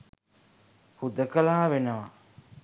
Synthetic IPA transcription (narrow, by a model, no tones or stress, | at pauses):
hud̪əkəlaːʋenəʋa